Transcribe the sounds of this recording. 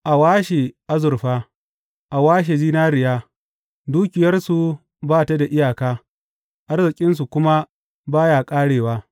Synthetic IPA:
ʔa˨waː˦ʃe˨ʔa˦zʊ˨rɸaː˦ | ʔa˨waː˦ʃ̬eː˨ziː˦naː˦ɾɪ˨jaː˦ | duː˦kʲɪ˨jɐ˦rsu˨ | baː˦ta˦da˨ʔɪ˦jaː˨kaː˦ | ʔa˦rzɪ˨kʲʼɪ˦ns̬u˨kʷʊ˦ma˦ | baː˦jaː˨kʼaː˦ɽeː˨waː˦

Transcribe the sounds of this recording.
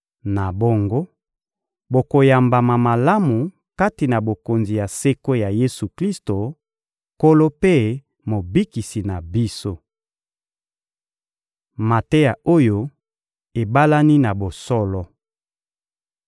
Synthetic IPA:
na˨bo˦ŋɡo˦ | bo˨ko˨ja˨mba˨ma˨ma˨la˦mu˨ | ka˦ti˨na˨bo˨ko˨nzi˨ja˨se˦ko˦ja˨je˦su˨kli˦sto˨ | ko˦lo˦pe˦ | mo˨bi˦ki˨si˨na˨bi˦so˦ | ma˨te˦ja˨o˦jo˦ | e˨ba˦la˦ni˦na˨bo˨sɔ˦lɔ˦

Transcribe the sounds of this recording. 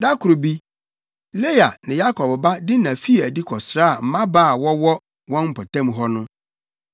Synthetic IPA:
da˦kʰʊ˨ɾo˨bi˦ | le˦ja˨nɪ̃˨ja˦kʰɔ˨bba˦dɪ˦nã˨fi˦˨æ˨di˦kʰɔ˨sɾa˦a˨m̩˨mã˦baː˦˨wɔ˦wɔ˦ | wɔ̃˦nm̩˦˨pʰɔ˨tʰã˦m˨ɦɔ˦nʊ̃˦

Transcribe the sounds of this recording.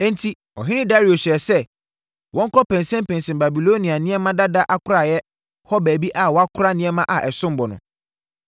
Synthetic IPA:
ɛ̃˦n˦tʰi˦ | ɔ̰˨ɦɪ̃˦nɪ̃˦da˦ɾi˨o˨ɕɛ˨ɛ˨sɛ˦ | wʔɔ̃˦ŋ˦kʰɔ˦pʰɛ̃˨nsɛ̃˦m˦pʰɛ̃˨nsɛ̃˨mba˨bi˨lo˦nĩ˨a˨nɪ̃˦ɛ˦mã˦da˦da˦ʔa˦kʰʊ˦ɾa˨jɛ˦ | hɔ˦bæː˨bi˦ʔa˨wɔ˨˦a˦kʰʊ˦ɾa˦nɪ̃˦ɛ˦mã˦ʔa˨ʔɛ˨sʊ̃˦m˨bɔ˨nʊ̰̃˨

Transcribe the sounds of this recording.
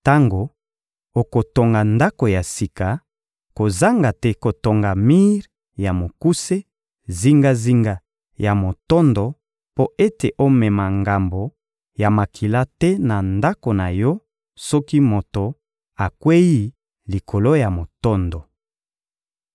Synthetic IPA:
ta˦ŋɡo˨ | o˨ko˨to˨ŋɡa˨nda˦ko˨ja˨si˨ka˨ | ko˨za˦ŋɡa˨tɛ˦ko˨to˨ŋɡa˨mi˦ʁ | ja˨mo˨ku˦se˦ | zi˦ŋɡa˦zi˦ŋɡa˦ | ja˨mo˨tɔ˦ndo˨ | po˦e˦te˨ʔo˦mɛ˨ma˨ŋɡa˨mbo˨ | ja˨ma˨kʰi˨la˦tɛ˦na˨nda˦ko˨na˨jɔ˦ | sɔ˦ki˦mo˨to˨ | a˨kwe˦ji˦ | li˨kʰo˨lo˦ja˨mo˨tɔ˦ndɔ˨

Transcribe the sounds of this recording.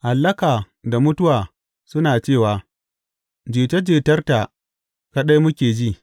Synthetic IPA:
ha˨lːɐ˦kaː˨ | da˨mʊ˦tʊ˦waː˨ | sʊ˦naː˨t͡ʃeː˦˨waː˨ | d͡ʒeː˨tɐ˦d͡ʒeː˨tɐ˦rta˨ | ka˦ɗa˦jmʊ˦kʲeː˨d͡ʒiː˦˨

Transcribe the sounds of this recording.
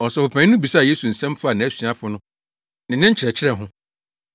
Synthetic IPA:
ɔ˨sɛ˨wʊ˨pʰæ̃˨˦nʊ̃˦bi˨sa˦˨je˦su˨n̩˨sɛ̃˦m˦fʊ˦a˨nã˨æ˦sɥa˦fʊ˦nʊ̃˦ | nɪ̃˨nɪ̃˦ɲ̩˦t͡ɕʰɪ˨ɾɛ˨t͡ɕʰɪ˦ɾɛ˦˨ɦʊ̃˦

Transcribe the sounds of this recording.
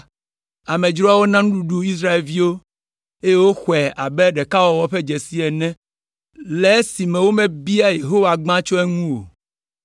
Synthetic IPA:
a˨mẽ˨d͡ʒɾɔ˦a˦wo˦nã˦ŋũ˦ɖu˦ɖu˦i˦s̬ɾa˦e˨lvi˦wo˦ | e˦je˦wo˦xʷɛ˨a˨bɛ˦ɖɛ˨ka˦wɔ˨wɔ˦ɸe˦d͡ʒɛ˨si˦ɛ˨nɛ̃˦ | lɛ˨˦si˨mɛ̃˨wo˦mɛ̃˨bi˦a˦je˨ɦo˦wa˨ɡ͡bã˦t͡ʃɔ˦ɛ˦ŋũ˦wo̰˨

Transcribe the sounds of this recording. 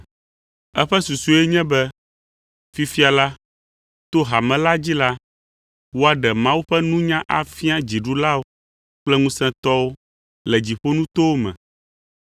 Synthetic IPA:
ɛ˦ɸɛ˦su˨su˦e˦ɲɛ̃˦bɛ˦ | fi˦fi˦a˨la˦ | t̪o˦ɦa˨mɛ̃˨la˦d͡ʑi˦la˦ | wo˦a˨ɖɛ˨mã˦wu˦ɸɛ˦nũ˦ɲã˦ʔa˨fi˦a˦d͡ʑi˨ɖu˦la˦wo˦ | k͡plɛ˦ŋũ˦sɛ̃˦t̪ɔ˦wo˦ | lɛ˨d͡ʑi˨ɸo˦nũ˦t̪o˦wo˦mɛ̰̃˨

